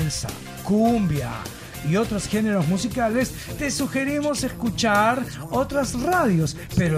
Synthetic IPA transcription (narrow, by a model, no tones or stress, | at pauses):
lsa̰ | kumbja̰ | io̞t̪ɾosxe̞ne̞ɾo̞zmusikales | t̪e̞suxe̞ɾimo̞se̞skut͡ʃaɾo̞t̪ɾasraðjo̞s | pe̞ɾo